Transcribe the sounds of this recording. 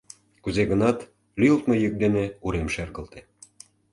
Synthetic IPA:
kuzeɣə̆nɑt̪ | lyjlt̪mojək̚d̪eneuɾemʃerɣə̆lt̪e̥

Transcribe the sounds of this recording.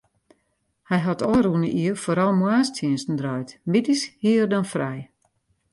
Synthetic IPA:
hɛjɦatʰɔːrunəʔiəfoːɾɔlˠmwaːstʰjiənsn̩drɔjtmitishiərdɔnfrɛj

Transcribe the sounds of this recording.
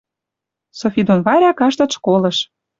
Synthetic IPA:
sofʲid̪onβɑɾʲɑkɑʃt̪ɤ̆t̪ʃkolɤ̆ʃ

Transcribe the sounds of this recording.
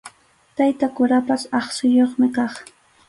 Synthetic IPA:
t̪ajt̪akʊɾapasɑχsʊjoχmɪkɑχ

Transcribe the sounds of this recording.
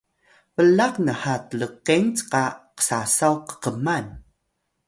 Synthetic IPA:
vəlaqnəhatələqeŋt͡sqaqə̥sasawqə̥qəman

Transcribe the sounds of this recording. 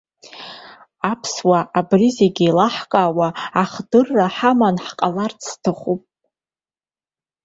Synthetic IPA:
apʰswaʔabrizeɡʲiilaħkʼaːwaːχdɨrːaħamanħqʼalart͡sʰtʰɨχʷupʼ

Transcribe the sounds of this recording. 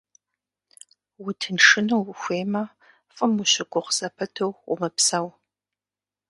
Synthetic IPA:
wʊtʰɨnʂɨnɐwxʷeːmɐ | fʼɨmuɕɪɡʷʊχz̥ɐpʰɐtʰowʊ̰mɐpsɐw

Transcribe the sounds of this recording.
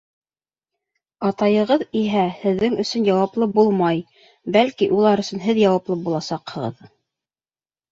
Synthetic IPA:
ɑt̪ɑjɤ̆ʁɤðiɦæhɘ̆ðːɘŋɵ̆sɵnjɑwɑplˠɤbulˠmɑj | bælkiʔulˠɑɾɵ̆sɵ̆nɦɘðjɑwɑplˠɤbulˠɑsɑqhɤ̆ʁɤ̰ð

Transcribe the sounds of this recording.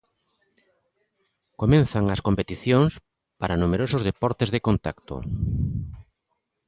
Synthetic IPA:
komẽnθaŋɐskompet̪iθjoŋs | paɾanumeɾosozðepɔɾt̪ezðekont̪a̰kt̪o̰

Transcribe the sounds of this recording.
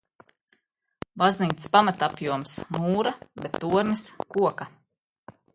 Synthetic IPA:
bazniːt̪spamat̪apjuɔmsmuːɾabet̪ːuɔɾniskuɔka

